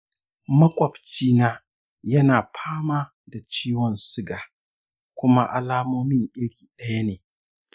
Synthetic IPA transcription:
mɐ˦kʷʼɔ˨bt͡ʃiː˦naː˦ | jɐ˦naː˨pʰaː˦maː˦ | da˨t͡ʃiː˦wɔ˨nsɪ˦ɡaː˨ | kʷʊ˦ma̰˦ʔa̰˦laː˦moː˦mɪ˦ŋʔɪ˦ɽiː˨ɗɐ˦ja˦neː˨

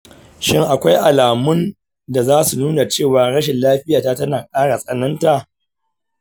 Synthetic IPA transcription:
ʃɪ˦ŋʔa˨kʷa˦jʔa˨laː˨mʊ˦n | da˨zaː˦su˨nuː˦na˨t͡ʃeː˦˨waː˨ɽɐ˦ʃɛ˨nlaː˦ɸɪ˦jaː˨taː˦tɐ˦naː˨kʼaː˦ɽa˨sʼɐ˨nɐ˦nta˨ʔ

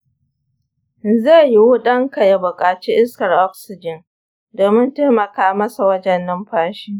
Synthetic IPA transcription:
ze˦˨ji˦wʊ˦ɗɐ˦ŋka˨ja˨bʊ˨kʼaː˨t͡ʃi˦ʔɪ˦skɐ˨rʔɔ˦ksɪ˨d͡ʒɪ˨n | doː˨mɪ˦nteː˦mɐ˨kaː˦mɐ˦sa˨wɐ˦d͡ʒɛ˨nːɐ˦mɸaː˦ʃiː˦

